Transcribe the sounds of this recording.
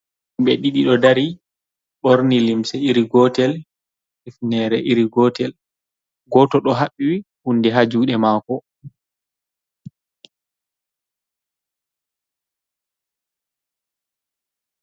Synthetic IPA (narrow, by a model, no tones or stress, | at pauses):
imɓɛɗiɗiɗɔdaɾi | ɓoɾnilimsɛiɾiɡɔtɛl | ifnɛɾɛʔiɾiɡɔtɛl | ɡɔtɔɗɔɦaɓːiwihundɛɦad͡ʒuːɗɛmaːkɔ